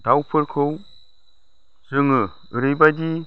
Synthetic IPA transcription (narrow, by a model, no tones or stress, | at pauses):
dawpʰəɾkʰow | sɨŋə | ɨɾijbadi